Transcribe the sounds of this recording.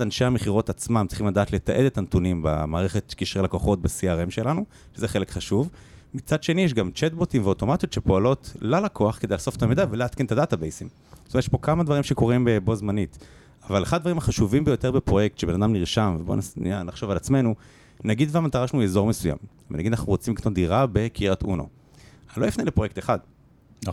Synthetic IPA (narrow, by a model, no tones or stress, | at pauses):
adanʃeameχiʁo̞tat͡smammtt͡si̥χimlad̪aːt̪let̪aʔe̞d̪etant̪unimba̰maːʁe̞χe̞t̪kiʃʁelakoχo̞t̚basiaʁemʃelanu | ʃezeχe̞le̞kχaʃuvmit͡sad̪ʃe̞nijɛʃ̬ɡamt͡ʃet̪̚botimveoto̞mat̪ijo̞tʃepo̞alo̞tlalakʰoaχked̪ejlaso̞fet̪amed̪avelaat̪kent̪adat̪abejsim | sstomeʃpokamad̪vaʁimʃe̞ko̞ʁimbebozmanit | avaleχadadvaʁimhaχaʃuvimbejo̞te̞ʁbepʁo̞jek̚t̪ʃebe̞nad̪amniʁʃamvebo̰nasnianaχʃo̞valat͡sme̞nu | naɡid̪vamat̪aʁaʃanuezo̞ʁmesuja̰m | vḛnaɡid̪anaχnuʁot͡simliknotd̪iʁabe̞kiʁat̪ʔṵno̰ | aloifnelepʁjek̚t̪eχad̪